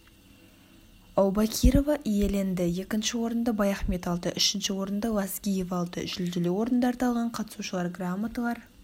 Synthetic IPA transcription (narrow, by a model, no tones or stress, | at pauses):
ɑwbakʲʰiɾo̞vɑʔije̞le̞nd̪ɪje̞kʲɪnʃɪwo̞ɾənd̪əbɑjɑχme̞t̪ɑlˠd̪əʔʏʃɪnʃɪwo̞ɾənd̪əlˠɑsɡʲijevɑlˠt̪ə̰ʒʏld̪ɪlewo̞ɾənd̪ɑːɾt̪ɑlˠʁɑɴqʰɑt̪ə̥suʃəlˠɑɾɡramːat̪əlˠɑɾ